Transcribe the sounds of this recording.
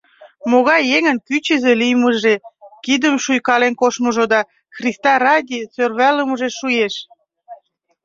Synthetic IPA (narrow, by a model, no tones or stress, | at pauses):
moɣɑjːeŋənkyt͡ɕəzelijməʒekid̪əmʃujkɑlenkoʃməʒod̪ɑ | xrist̪ɑrɑdʲit͡sørβæləməʒeʃujeʃ